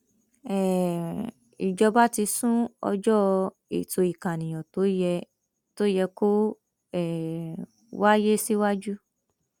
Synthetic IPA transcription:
ɛ˨ | i˨d͡ʒɔ˧ba˦ti˧sũ˦ɔ̰˧d͡ʒɔ˦ | ḛ˨to˧i˨kã˨nĩ˨j̃ɔ̃˨to˨˦jɛ˧ | to˦jɛ˧ko˦ | ɛ˦˨ | wa˦je˦si˦wa˦d͡ʒu˦

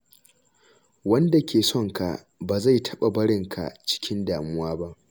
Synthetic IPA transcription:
wɐ˦nda˨kʲʰeː˨sɔ˦˨ŋka̰˨ | baː˨za˦˨jtʰɐ˦ɓa˨bɐ˦ɽɪ˨ŋkʰa̰˨t͡ʃɪ̥˦kʲɪ˦ndaː˨mʊ˦waː˦ba˦ʔ

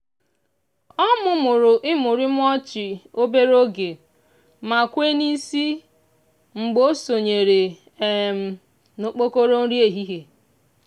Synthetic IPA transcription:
ɔ˦mʊ˦mʊ˨ɾʊ˨ʔɪ˦mʊ˨ɾɪ˦m̩˦ɔ˦t͡ʃɪ˨o˦be˦ɾo˦ɡe˨ | ma˨kʷe˦ni˦si˦ | ŋ͡m̩˨ɡ͡bo˦so˨ɲe˨ɾe˨ | e˨m̩˨ | no˨k͡po˦ko˦ɾo˦n̩˦ɾi˦e˨ɦi˦ɦe˨

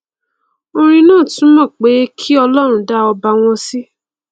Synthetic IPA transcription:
o˧ɾ̃ĩ˧nãː˦˨tũ˨˦mɔ̃˦˨k͡pe˨˦kʰi˦ɔ˧lɔ˦ɾ̃ũ˦da˦ɔ˧ba˧w̃ɔ̃˧si˦

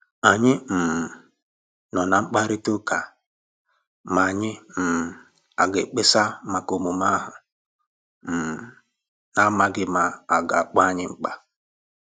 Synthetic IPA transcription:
a˨ɲɪ˦m̩˨m˨ | nɔ˨na˨ŋ͡m̩˦k͡pa˦ɾi˦to˦ka˨ | ma˨ɲɪ˦m̩˨ | a˨ɡe˨k͡pe˦sa˦ma˨ko˨mu˨ma˦ɦʊ˨ | na˦ma˨ɡɪ˦ma˨a˨ɡa˨k͡pɔ˦a˦ɲɪ˦ŋ͡m̩˦k͡pa˦

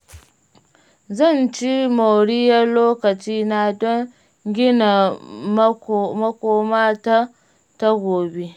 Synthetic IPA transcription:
zɐ˦˨nt͡ʃi˦mo˨ɽi˦jɐ˦loː˦kɐ˨t͡ʃiː˦na˦dɔ˦ŋ | ɡʲɪ˦na˨m˦mɐ˦kʷoː˦maː˦ta˦ | ta˦ɡʷoː˨be˦

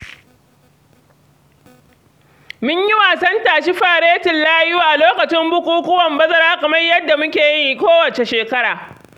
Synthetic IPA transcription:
mʊ˦ɲjɪ˦waː˨sɐ˦ntaː˨ʃi˦ɸaː˨ɽeː˦tɪ˨nlaː˦jʊ˦waː˨ʔa˨loː˦kɐ˨t͡ʃɪ˦mbʊ˦kʷuː˦kʷʊ˦wɐ˨mbɐ˦zɐ˦ɾaː˦kɐ˨mɐ˦rjɐ˦dːa˨mʊ˦kʲeː˨ji˦˨kʷoː˦wɐ˨t͡ʃe˨ʃeː˨kɐ˦ɽaː˨

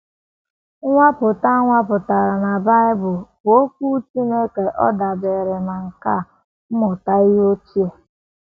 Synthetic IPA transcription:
ŋʷa˦pʊ˨ta˦ŋʷa˦pʊ˨ta˨ɾa˨na˨ba˦ɪ˦bʊ˨lbo˦k̚ʷu˦t͡ʃi˦me˦ke˨ʔɔ̰˦da˨de˨ɾɪ˨na˨ŋ̩˨ka˦˨ | m̩˦mʊ˨ta˦ɪ˦ɦo˦t͡ʃi˦e˨

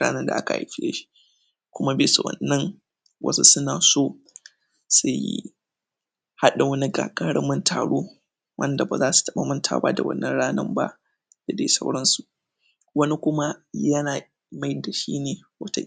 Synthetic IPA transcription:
a̰ː˦nɐ˦nda̰˨ʔa˦ka˨ʔa̰˨˦ɸɪ˦ḛ˦ʃi̥˦ | kʷʊ˦ma˦be˨su˨wɐ̰˨nːɐ˦ŋ | wʔɐ̰˦su˦sʊ˦naː˨soː˦ | sʊ˨jḭ˦ | ha˦ɗa˨wɐ˦ni˦ɡa̰ː˨kʼaː˦ɽɐ˦mːʊ˦ntʰa̰ː˨ɽoː˦ | wʔɐ̰˦nda˨ba̰˨zaː˦su̥˨tɐ˦ɓa˨mʊ˦ntʰa̰ː˨ba̰˦da˨wɐ̰˦nːɐ˦nɽaː˦nɐ˦mba̰˦ʔ | d̥a˨dḛ˨˦sɐ˦wɽɐ˦nsu˨ʔ | wɐ˦ni˦kʷʊ˦ma˦jɐ˦naː˨ | ma˦jda˨ʃḭː˦neː˨wɐ̰˦ta˦

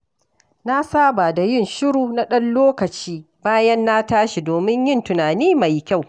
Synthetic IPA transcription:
na˦saː˦ba˨da˨jɪ˦˨nʃɪ˦ɽuː˨na˦ɗɐ˦nloː˦kɐ˨t͡ʃiː˦ | baː˦jɐ˦nːa˦taː˦ʃi˨doː˨mɪ˦ɲjɪ˦ntʊ˨naː˨niː˦ma˨jkʲa˦˨w

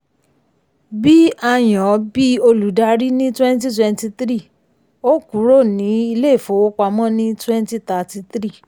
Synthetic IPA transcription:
bi˦a˧j̃ɔ̃˨˦bi˦o˧lu˨˦da˧ɾi˦nĩ˦twɛ̃˦n˦ti˦twɛ˧nti˧t̪ɾi˦˨ | o˦ku˨˦ɾo˦˨nĩ˨˦i˧le˦˨fo˨˦wo˦k͡pa˧mɔ̃˦nĩ˦twɛ˦n˦ti˦ta˧ti˧tɾi˦˨

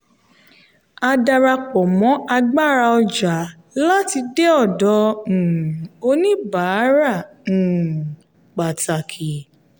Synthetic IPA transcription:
a˧da˧ɾa˧k͡pɔ˨mɔ̃˨˦ʔa˧ɡ͡ba˦˨ɾa˧ɔ˧d͡ʒa˨˦ | la˦ti˧de˦ɔ˦˨dɔ̃˨˦˨ | o˧nĩ˦ba˨˦ɾã˦˨ | k͡pa˨ta˨kʰi˨

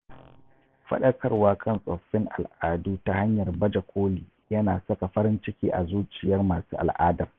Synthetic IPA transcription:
ɸɐ̰˦ɗɐ˦kʰɐ˦rwaː˦kʰɐ˦˨nsʼɐ˨ɸːɪ˦ŋʔa̰˨lʔaː˨duː˦ta˦ha˦ɲjɐ˨rbɐ˦d͡ʒɐ˨kʷʰoː˦liː˨ | jɐ˦naː˨sɐ˦ka˨ɸɐ˦ɾɪ˦nt͡ʃɪ˦kʲiː˦ʔa̰˨zuː˦t͡ʃʼɪ˨jɐ˦rmaː˨suː˦ʔa̰˨lʔaː˦dɐ˨m

